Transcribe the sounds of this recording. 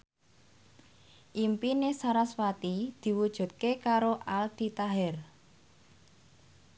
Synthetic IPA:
ʔimpinesaɾaswat̪id̪̥i̤wud̥ʒ̥ṳt̪̚kekaɾoʔald̪̥i̤t̪aɦɛr

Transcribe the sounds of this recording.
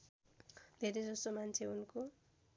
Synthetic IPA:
d̪ʱeɾed͡zʌst̪omant͡sʰeunko

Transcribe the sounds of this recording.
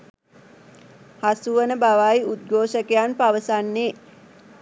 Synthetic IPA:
hasuʋənəbaʋajud̪̚ɡoːʃəkejanpaʋəsanːeː

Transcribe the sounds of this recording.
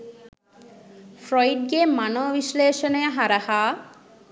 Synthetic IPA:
fɾɔjɖ̚ɡemanobiʃleːʃoneaɦaɾaha

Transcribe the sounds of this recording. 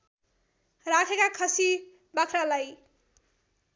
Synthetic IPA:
ɾakʰekakʰʌsi | bakʰɾalaj

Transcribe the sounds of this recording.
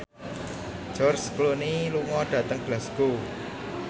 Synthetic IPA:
d͡ʒ̥ɔrskloniluŋɔɖ̥ä̤t̪əŋb̥lasɡ̥o

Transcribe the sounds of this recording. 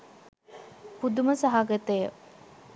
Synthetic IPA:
pud̪uməsaɦaɡet̪əjə

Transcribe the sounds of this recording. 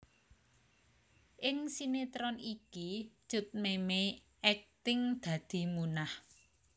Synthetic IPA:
ʔɪŋsinet̪ɾɔniki̥ʒ̥ʊ̤t̪̚memej | ʔɛk̚t̪ɪŋd̪̥ä̤d̪̥i̤munah

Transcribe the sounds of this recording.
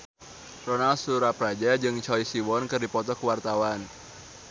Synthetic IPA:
rɔnalsuɾapɾad͡ʒad͡ʒɨŋt͡ʃɔisiwɔnkɨrdipɔt̪ɔkəwart̪awan

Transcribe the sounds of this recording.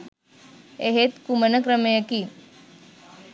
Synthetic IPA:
eɦet̪kumənəkɾəmejəki

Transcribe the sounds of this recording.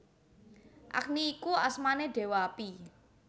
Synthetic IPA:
ʔa̰k̚niːkuasmaneɖ̥e̤waapi

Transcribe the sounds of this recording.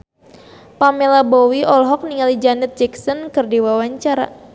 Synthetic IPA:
pamelabɔwiɔlɦɔk̚niŋalid͡ʒanət̪̚d͡ʒɛksɔnkɨrdiwawaɲt͡ʃaɾa̰

